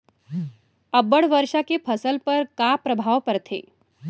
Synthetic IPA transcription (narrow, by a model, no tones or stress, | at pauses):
əbəɽʋəɾʂakepʰəsəlpəɾkapɾəbʱaʋpəɾt̪ʰḛ